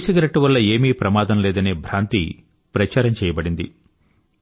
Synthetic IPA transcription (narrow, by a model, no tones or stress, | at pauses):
siɡɾɐʈːuʋɐlːɐeːmiːpɾɐmaːd̪ɐmlɛːd̪ɐneːbʱɾaːnt̪ḭ | pɾɐt͡ʃaːɾɐmt͡ʃɛːjɐbɐɽind̪i